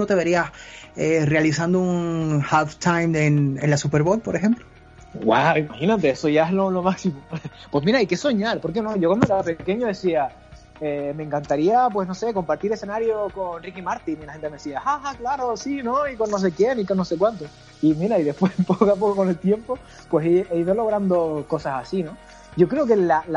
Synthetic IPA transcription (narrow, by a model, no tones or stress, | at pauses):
not̪e̞βe̞ɾiaserealis̬and̪ounŋhaft̪ʰajmenḛnlasupe̞ɾβo̞lpo̞ɾexe̞mplo | ɡwa̰wimaxinat̪̬e̞esoʝaeɦlolo̞maksimopwe̞smiɾaike̞so̞ɲalpo̞ɾk̬e̞noʝokwand̪oeɾape̞ke̞ɲoðe̞sia | emẽ̞ŋkant̪aɾiap̬we̞sno̞se̞ko̞mpaɾt̪iɾese̞naɾjoko̞nrikimaɾt̪ininlahent̪emesiaahaklaɾosino̞ikonːos̬e̞kje̞nikonːose̞kwant̪o | imiɾaiðe̞hpwespokoap̬o̞koko̞ne̞lt̪je̞mpo̞ | pwe̞siʔeiðo̞lo̞ɣ̞ɾand̪o̞ko̞sasasino̞ | ɟ͡ʝo̞kɾeo̞ke̞lal